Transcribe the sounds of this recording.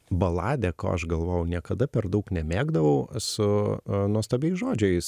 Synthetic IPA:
bɐlˠɑːd̪ʲɛko̰ːɐʃɡɐlˠʋoːjɛʊnʲiɛkɐd̪ɐpʲɛɾd̪ɐʊknʲɛmʲeːɡd̪ɐʋɐʊsʊnuɔst̪ɐːbʲɛɪsʒoːd͡ʒʲɛɪs

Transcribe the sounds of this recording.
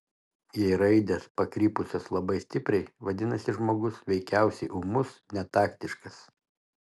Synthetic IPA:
jɛɪɾɐɪd̪ʲespɐkɾʲiːpʊsʲoːslˠɐbɐɪsʲt̪ʲɪpʲɾʲɛɪʋɐd̪ʲɪnɐsʲɪʒmoːɡʊsʋʲɛɪkʲæˑʊsʲɛɪʔʊmʊsnʲɛt̪ɑːkt̪ʲɪʃkɐs

